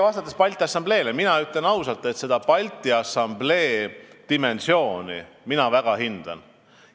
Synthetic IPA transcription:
vɑst̪ɑt̪ːˑespɑlʲt̪ːˑiɑsːɑmble̞ːleminɑyt̪lenɑwsɑlt̪ːˑe̞t̪se̞d̪̥ɑpɑlʲt̪ːˑiɑsɑmble̞ːd̪̥ime̞nsjo̞ːnḭ | minɑvæɡ̥ɑɦind̪̥ɑ̰n

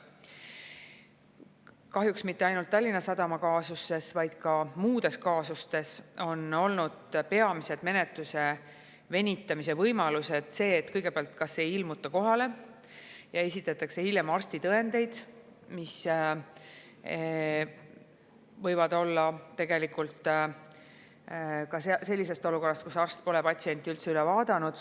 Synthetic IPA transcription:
kɑɦjuksmit̪ːeɑjnult̪ːɑlʲːinɑsɑd̪̥ɑmɑkɑːsusːe̞svɑjd̪̥kɑmuːd̪̥e̞skɑːsust̪e̞so̞no̞lnud̪̥pe̞ɑmise̞d̪̥me̞net̪luse̞ | ve̞nʲit̪ːˑɑmis̬e̞vɤjmɑluse̞d̪̥se̞ːt̪ːkɤjɡ̥e̞peɑlt̪kɑsːe̞jilmut̪ːˑɑko̞ɦɑle̞ | jɑe̞sʲit̪ːˑɑt̪ːˑɑkse̞hilʲjemɑrst̪it̪ɤe̞nd̪̥e̞jd̪̥ | mis | vɤjvɑd̪̥o̞lːɑt̪e̞ɡe̞likult̪ | kɑsese̞lʲːise̞st̪o̞luko̞rːɑst̪̚kusɑrst̪̚po̞lɛpɑt̪ʲsie̞nʲt̪ːˑiylt̪seylɛvɑːd̪̥ɑnud̪̥

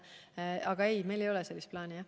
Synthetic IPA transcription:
ɑɡ̥ɑe̞jme̞jle̞jo̞lɛse̞lːist̪̚plɑːnijɑ

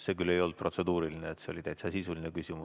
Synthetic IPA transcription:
se̞kylːe̞jo̞ld̪̚pro̞t̪se̞d̪uːɾilineːt̪seo̞lʲit̪æjt̪sɑsisulinekysʲimu

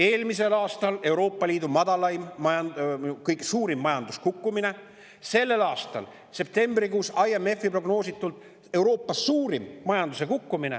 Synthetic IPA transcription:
e̞ːlmise̞lɑːst̪ɑle̞wɾo̞ːpˑːɑlʲiːd̪̥umɑd̪̥ɑlɑjmːɑjɑnkɤjksuːɾimːɑjɑnd̪̥uskukˑːumine̞ | se̞lːe̞lɑːst̪ɑ̰l | se̞p̚t̪e̞mbrikuːsɑjeme̞fːipro̞ɡno̞ːsit̪ːˑult̪ˑ | e̞wɾo̞ːpːˑɑsuːɾimːɑjɑnd̪us̬e̞kukːumine̞̰

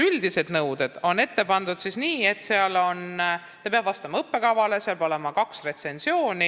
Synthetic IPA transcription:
yld̪ise̞d̪nɤwd̪̥e̞d̪̥o̞nːe̞t̪ːe̞pɑnd̪ud̪̥sisniːe̞t̪ːˑseɑlo̞n | t̪ɑpeɑb̥vɑst̪ɑmɑɤpːe̞kɑvɑle̞seɑlbo̞le̞mɑkɑksre̞t̪se̞nsio̞ːni

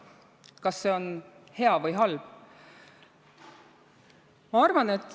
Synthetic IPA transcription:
kɑsːe̞o̞nhe̞ɑvɤjɦɑlb̥ | mɑɑrvɑne̞t̪ːˑ

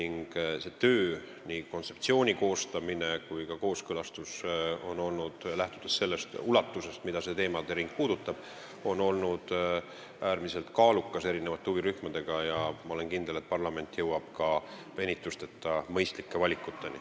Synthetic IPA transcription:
niŋɡ̥se̞t̪øː | niko̞nt̪se̞pt̪sio̞ːnʲiko̞ːst̪ɑmine̞kujkɑko̞ːskɤlɑst̪uso̞no̞lnud̪̥læht̪ud̪̥esse̞lːe̞st̪ulɑt̪ːuse̞st̪mid̪̥ɑse̞t̪e̞ːmɑd̪̥e̞ɾiŋk̚puːd̪̥ut̪ːˑɑb̥ | o̞no̞lnud̪̥ | æːɾmise̞lt̪kɑːlukːɑse̞ɾine̞vɑt̪ːˑeuviɾyhmɑd̪̥e̞ɡ̥ɑjɑmɑo̞le̞nkind̪elet̪̚pɑrlɑme̞nt̪ːˑjɤwɑb̥̚kɑve̞nʲit̪ˑːust̪et̪ːˑɑmɤjst̪likːe̞vɑlʲikːˑut̪ːe̞nḭ

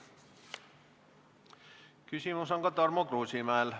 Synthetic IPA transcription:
kysimusoŋkɑt̪ɑrmokruːsimæel

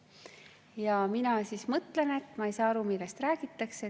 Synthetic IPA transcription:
jɑminɑsiːsmɤt̪le̞ne̞t̪ːˑmɑejsɑːɑɾumilːest̪ræːɡ̥it̪ːˑɑkse

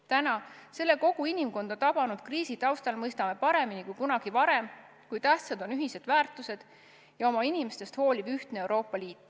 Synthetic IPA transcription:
t̪ænɑse̞lːe̞ko̞ɡ̥uinimko̞nd̪̥ɑt̪ɑb̥ɑnud̪̥kriːsit̪ɑwst̪ɑlmɤjst̪ɑme̞pɑɾe̞minikujkunɑɡ̥ivɑɾe̞m | kujt̪æht̪sɑd̪o̞nyɦised̪̥væːrt̪ːˑuse̞d̪̥ | jɑo̞mɑinime̞st̪e̞st̪ho̞ːlibyht̪neewɾo̞ːpˑːɑliːt̪ː

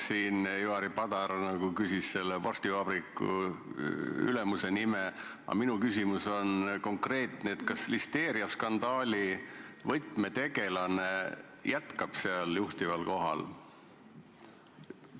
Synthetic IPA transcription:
siːnjuɑɾipɑd̪ɑɾnɑɡukysisse̞lːevorst̪ivɑb̥ɾikːˑṵ | y̰lemuse̞nime | ɑ̰minukysʲimuso̞nko̞ŋkre̞ːt̪neet̪kɑslist̪e̞ːɾiɑskɑnd̪̥ɑːlʲivɤjt̪me̞t̪e̞ɡe̞lɑne | jæt̪kɑb̥seɑljuht̪ivɑlko̞ɦɑ̰l

